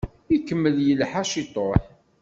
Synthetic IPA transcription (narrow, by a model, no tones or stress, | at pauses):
ikːəmːəljəlħaʃit̪ˤoħ